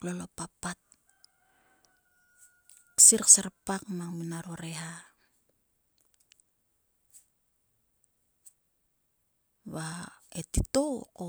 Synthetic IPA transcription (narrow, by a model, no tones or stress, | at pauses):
lolopapːat̚ | ksiɾksaɾapakmaŋminaɾoɾeɦa | βaetitoko